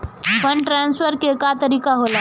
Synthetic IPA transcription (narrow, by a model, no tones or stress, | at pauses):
bənʈɾansfəɾkekat̪əɾiːkaɦola